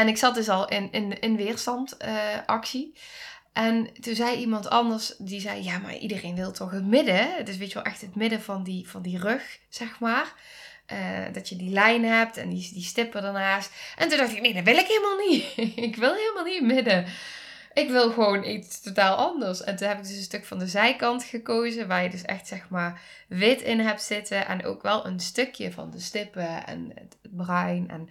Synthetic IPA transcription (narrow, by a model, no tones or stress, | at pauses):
ɛnɪksɑt̚dɵs̬ɑlˠɪnɪnɪnʋɪːrstɑntəʔɑksi | ʔɛntunzɛjimɑntɑ̰ndəɹsdizɛjjaːma̰rʔḭdərejnʋɪlˠtʰɔxɦətmɪdətɪs̬ʋejtəʋɛlˠʔɛxtətmɪdəvɑndivɑndirøx | z̥ɛxmaːr | ʔə̰ːdɑtjədilɛjnɦɛp̚tɛ̰ndisdistɪpədəɹnaːstʔɛntundɑxtɪknejdɑʋɪlˠɪkɦeːlˠəmaːlˠniɪkʋɪlˠɦɪːlˠəmaːlˠnimɪdə | ʔɪkʋɪlˠɣəʋownʔitstotaːlˠɑndəɹsɛ̰ntunɦɛpɪɡ̚dɵsənstɵkfɑndəzɛjkɑntxəkowzəʋaːɹjədɵsɛ̰xtsɛxmaːr | ʋɪtɪnɦɛp̚tsɪtəʔɛ̰no̰wkʋɛlˠə̰nstøkjə̰vɑ̰ndəstɪpəɛ̰nə | brœɥnɛ̰n